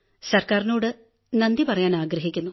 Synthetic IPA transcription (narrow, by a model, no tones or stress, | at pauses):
sɐrkaːɾinuːɽɨ | nɐnd̪ipɐrɐjaːnaːɡɾɐɦikʲːunːu